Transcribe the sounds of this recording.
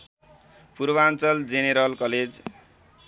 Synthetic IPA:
puɾbant͡sʌld͡zeneɾʌlkʌled͡z

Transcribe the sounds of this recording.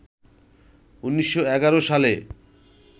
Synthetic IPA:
unːiʃːoɛɡaɾoʃale

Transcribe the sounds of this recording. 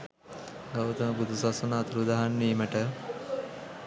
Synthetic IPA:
ɡawt̪əməbud̪ʱusasonːt̪uɾud̪aɦanːiːməʈə

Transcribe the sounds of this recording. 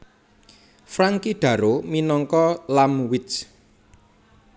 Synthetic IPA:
fɾaŋkiɖ̥ä̤ɾominɔŋkɔlamwɪt͡ʃ

